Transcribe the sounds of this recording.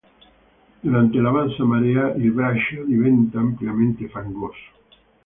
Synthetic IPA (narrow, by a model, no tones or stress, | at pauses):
d̪uɾant̪elaβansamaɾeaʔelβɾaʃoðiβent̪aːmpljamẽnt̪efaŋɡoso̥